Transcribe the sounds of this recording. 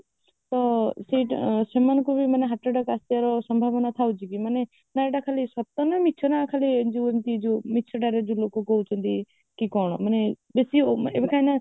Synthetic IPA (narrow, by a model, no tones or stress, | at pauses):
t̪ɔseʈsemankubimaneɦaʈɾaɖakast̪ijaɾɔsɔmbʱabɔnat̪ʰawt͡ʃʰikimane | naɾɖakʰalisɔp̚t̪ɔnɔmitːt͡ʃʰɔnaːkʰalid͡ʒuent̪id͡ʒumit͡ʃʰɔɖaɾed͡ʒulokɔkɔwt͡ʃʰɔnt̪i | kikɔɽ̃ɔmane | besiebakʰajna